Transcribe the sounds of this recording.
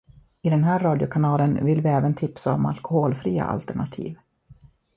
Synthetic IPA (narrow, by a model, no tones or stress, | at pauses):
ɪd̪ɛnɦæːɾːɑːd̪ɪʊkʰanɑːlənvɪlvɪɛːvənt̪ʰɪpsaɔma̰lkʊhoːlfɾiːa̰ʔa̰lt̪ɛɳat̪ʰḭːv